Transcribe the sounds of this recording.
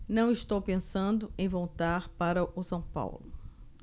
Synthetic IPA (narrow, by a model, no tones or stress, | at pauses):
nɐ̃w̃ist̪owpẽsɐ̃nd̪ʊẽj̃võwt̪aɾpaɾɐʔʊsɐ̃w̃pa̰wlʊ